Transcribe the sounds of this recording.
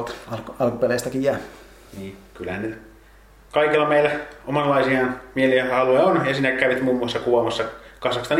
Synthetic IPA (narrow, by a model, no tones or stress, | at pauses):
t̪ɑɑlkupeleˑːst̪ækijjæː | niːkylæhæ̰ny | kɑikilːɑmeilːæomɑnlɑisiɑnmieliɑlueonjɑsiːnækkæʋit̪muːmːuɑsːɑkuɑmɑsːɑkɑsɑkst̪ɑn